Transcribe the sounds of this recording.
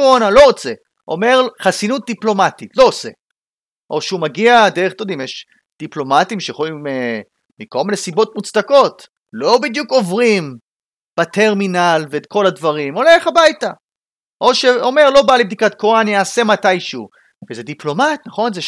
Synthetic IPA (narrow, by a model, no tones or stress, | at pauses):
ʁonalo̞ʁot͡se̞ | ʔo̞̰me̞ʁχasinut̪̚d̪iplo̞mat̪itlo̞ːse̞̰ | ʔo̞ʃeumaɡiad̪eʁet̪od̪imjɛʃ | d̪̥iplo̞matimʃeχojime | miko̞lminesibo̞tmut͡sd̪ako̞t | lo̞bid̪juko̞vʁim | b̥at̪eʁminalveːt̪kʰo̞lad̪vaʁimo̞leχabajta | ʔo̞ʃeo̞me̞ʁlo̞balibd̪ikat̪koʁanjaːse̞matajʃu | vezed̪iplo̞mat̪naχo̞nze